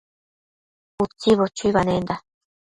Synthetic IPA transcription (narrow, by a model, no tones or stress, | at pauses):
ut͡sːiβot͡ʃujβanend̪a